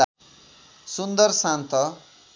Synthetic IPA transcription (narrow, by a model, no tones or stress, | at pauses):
sund̪ʌrsãnt̪ʰʌ